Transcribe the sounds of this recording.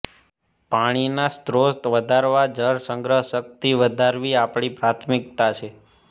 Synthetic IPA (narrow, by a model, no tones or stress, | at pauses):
paɽ̃inast̪ɾost̪ʋəd̪ʱaɾʋad͡ʒəɾsəŋɡɾəɦʃək̚t̪iʋəd̪ʱaɾʋiapɽ̃ipɾat̪ʰmɪkt̪at͡ʃʰe